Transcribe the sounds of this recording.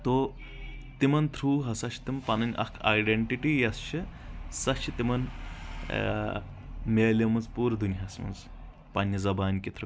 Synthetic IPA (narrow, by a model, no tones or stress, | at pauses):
t̪o | t̪imɐnt̪ʰɾuːɦɐsɐt͡ʃʰi̥t̪impɐnɐnʲʔɐ̰kʰa̰jɖeɳʈiʈijɐst͡ʃʰɨsɐt͡ʃʰit̪imɐn | mʲeːlɐmɐzpuːɾd̪unɦɐsmɐ̰z | pɐnʲːɐzɐbaːnkit̪ʰɾu